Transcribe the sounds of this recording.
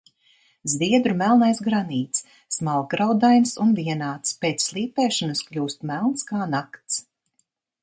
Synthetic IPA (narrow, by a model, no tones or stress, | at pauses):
zviɛd̪ɾumælˠnajsɡɾaniːt̪s | smalˠkɾawd̪ajnsunvʲiɛnaːt̪speːt̪slˠiːpʲɛːʃɔnɐsklʲuːst̪mælˠnskaːnakt̪s